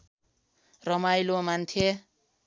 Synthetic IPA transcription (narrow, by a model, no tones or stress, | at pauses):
rʌmajlomant̪ʰe